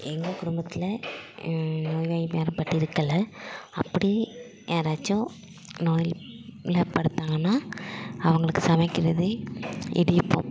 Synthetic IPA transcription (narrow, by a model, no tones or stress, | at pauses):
ɛŋɡɐkʊɽʊmbɐt̪ːɪlɐ | noːjʋaːjimeːɾɐmpɐʈːiɪɾɯkːɐlːɐɐpːɐɽi | eːɾaːt͡ʃːõ | noːjɪllɐpɐɽɯt̪ːaːŋɡɐnːaːɐʋɐŋɡɐɭɯkːɯsɐmɐkːɪɾɐðɯɪ̰ɽɪjɯpːõ̰ː